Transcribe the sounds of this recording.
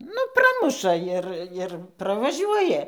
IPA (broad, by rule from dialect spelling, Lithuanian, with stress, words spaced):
ˈnʊ ˈprɑːmʊʃɐ ˈɪr ɪr prɐʋɐˈʒʲuɔjɛ